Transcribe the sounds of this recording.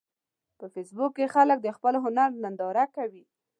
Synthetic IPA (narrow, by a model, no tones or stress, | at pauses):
pəfesbʊkːexalək̚d̪əxpəloɦʊnaɾnand̪ɑɾakawi